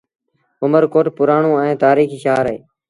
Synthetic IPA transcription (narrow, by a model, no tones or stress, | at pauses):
ʊməɾkoːʈpʊɾaːɳũːɛ̃ːt̪aːɾiːkiːʃaːɾɦḛː